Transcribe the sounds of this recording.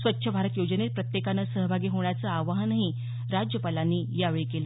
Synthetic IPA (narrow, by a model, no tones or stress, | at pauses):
sʋət̪ːɕʰəbʱaɾət̪jod͡ʑənet̪̚pɾət̪jekanəsəɦəbʱaɡiːɦoɳjat͡səaʋaɦənaɦi | ɾad͡ʑjəpalanːiːjaʋɭekel